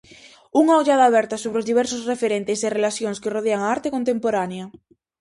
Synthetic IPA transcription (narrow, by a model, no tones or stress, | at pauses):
uŋaoʎaðaːβ̞ɛɾt̪asoβɾeozðiβ̞ɛɾsosrefeɾent̪eserelaθjoŋskeroðeaŋaaɾt̪ekont̪empoɾanea